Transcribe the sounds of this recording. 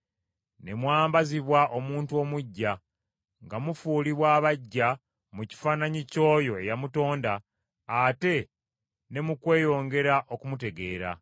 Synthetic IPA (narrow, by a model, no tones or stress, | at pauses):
ne̞mwaːmbaziβwaʔo̞muːntuo̞muɟːa | ŋɡamufuːliβwaːβaɟːa | muci̥faːnaɲico̞ːjo̞e̞jamuto̞ːndaː | te̞ | ne̞mukwe̞ːjo̞ːŋɡe̞ɾaʔo̞kumute̞ɡe̞ːɾa̰